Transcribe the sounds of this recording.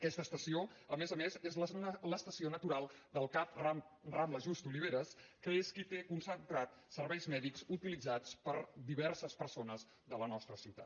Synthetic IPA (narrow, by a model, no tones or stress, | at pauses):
əkɛst̪əst̪əsioəmezəmezezlələst̪əsionət̪uɾalˠd̪əlˠkap̚rarambləʒust̪uliβ̞eɾəskəeskit̪ekunsənt̪ɾat̪səɾβɛjzmɛðikzut̪ilid͡zat͡spəɾd̪iβɛɾsəspəɾsonəz | ðələnɔst̪ɾəsiwt̪a̰t̪